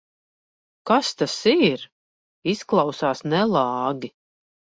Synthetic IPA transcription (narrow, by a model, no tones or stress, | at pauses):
kast̪asiɾ | isklˠɑwsaːsnɛlˠɑːɡʲi